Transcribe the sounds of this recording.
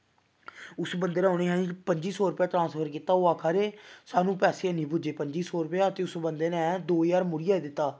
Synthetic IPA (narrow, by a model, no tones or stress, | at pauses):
ʊsbənd̪eːnːoːneːɦãːipəɲd͡ʒiːsɔːɾʊpjaːʈɾãːnspʰəɾkiːt̪aːoːaːkʰaːɾeːsaːnũːpɛːseːənĩːpʊd͡ʒeːpəɲd͡ʒiːsɔːɾʊpɛaːət̪eːʊsbənd̪eːnɛ̃ːd̪oːjaːɾmʊɽɪjaːed̪ɪt̪ːaː